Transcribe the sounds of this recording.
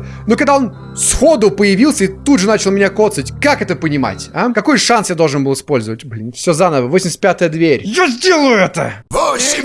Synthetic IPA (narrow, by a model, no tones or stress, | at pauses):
nokɐɡ̚d̪ao̞n | sxod̪ʊpəjɪvʲilˠsʲəit̪ud̪ʐɨnat͡ɕɪlˠmʲɪnʲako̞t̪sətʲkakɛt̪əpənʲɪma̰tʲakɐko̞jʂansjad̪olˠʐɨnbɨlˠɨspo̞lʲzəvətʲblʲinfsʲozanəvəvosʲɪmʲsʲt̪̚ʲpʲat̪əjəd̪vʲeɾʲjazʲdʲe̞lˠəjʊɛt̪ə̰